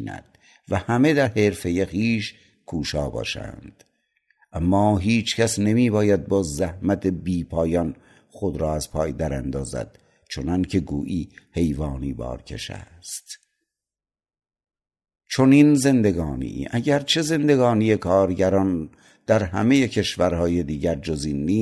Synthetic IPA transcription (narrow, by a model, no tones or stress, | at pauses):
næ̰d̪̥ | væhæme̞d̪æɾheɾfe̞jexiːʃ | kʰuːʃɒːbɒ̰ːʃæ̰nd̪̥ | ʔæmːɒːɦiːt͡ʃʰcʰæsnemiːbɒːjæd̪̚bɒːzzæhmæt̪ʰebiːpʰɒːjɒn | χod̪ɾɒːæzpʰɒːjd̪æɾæ̰nd̪ɒːzæ̰d̪̥ | t͡ʃʰonɒncʰe̞ɡṵːʔiːhe̞jvɒːniːbɒ̰ːɾcʰe̞̰ʃæ̰ | st̪ | t͡ʃʰoninze̞nd̪e̞ɡɒːnḭʔæɟæɾt͡ʃʰe̞ze̞nd̪e̞ɡɒːnije̞kʰɒːɾɟæɾɒːn | d̪̥æɾhæ̰me̞jecʰe̞ʃvæɾhɒːje̞d̪iːɟæɾd͡ʒozinːiː